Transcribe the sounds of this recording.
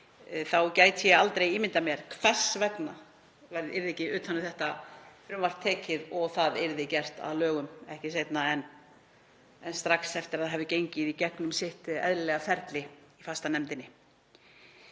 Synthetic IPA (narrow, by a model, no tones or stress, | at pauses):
θawcaːjt̪sjɛalt̪ɾejiːmɪnt̪amjɛɾ̥kʰvɛsvɛkna | vɛjɾðɪɪɾðecɪʏːt̪hanʏmθɛht̪afɾʏmvar̥t̪ʰɛːcɪðɔɣθaðɪɾðɪcɛr̥t̪a̰ðlœːɣʏmɛhcɪsejt̪naɛn | ɛnst̪ɾaksɛft̪ɪɾaðɦɛvðɪcejɲcɪðicɛknʏmsɪht̪ɛ̰ðɾɪlɛɣafɛɾt̪lɪifast̪anɛmt̪ɪnːɪ